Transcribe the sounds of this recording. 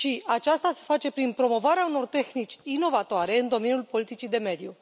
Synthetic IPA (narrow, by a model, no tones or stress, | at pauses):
ʃiat͡ʃast̪ase̞̥fat͡ʃe̞pɾinpɾo̞mo̞vaɾeauno̞rt̪e̞xnit͡ʃʲino̞vat̪oaɾe̞ɨnd̪o̞me̞nʲjulpo̞lit̪it͡ʃid̪e̞me̞d̪ju